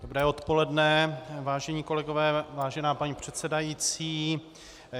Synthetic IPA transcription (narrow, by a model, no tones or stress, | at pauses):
dobɾɛːo̞t̪po̞lɛdnɛvaːʒɛɲiːko̞lɛɡovɛːvaːʒɛnaːpaɲiːpr̝̥ɛt̪sɛdajiːt͡siː